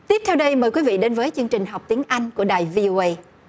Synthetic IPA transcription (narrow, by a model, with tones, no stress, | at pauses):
t̪i˦˥əp̚t̪ʰɛ˧wɗə˧jməː˨˩jkwi˨˦vḭ˧˨ɗe˨˦nvəː˨˦jt͡ɕɨ˧əŋt͡ɕï˨˩ŋ̟ɦa˨˩wk͡p̚t̪i˨˦əŋʔa˧jŋ̟ku˧˩əɗaː˨˩jvi˧ʔo˧ʔə˧j